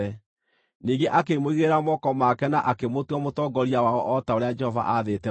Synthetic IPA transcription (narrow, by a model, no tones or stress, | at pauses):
ɛ | niːɡeʔakemoiɣeɾamɔkɔmakɛnaʔakemotwɔmotɔːɡɔɾiawaɔʔɔtaoɾead͡ʒɛhɔva̰ʔaðetɛ